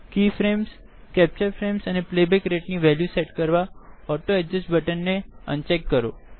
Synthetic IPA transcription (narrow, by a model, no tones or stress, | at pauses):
kifɾems | kɛp̚t͡ʃəɾfɾemsəneplebekɾeʈniʋɛljuseʈkəɾʋaɔʈoɛd͡ʒəsʈbəʈənːeə̰nt͡ʃɛkːəɾo̰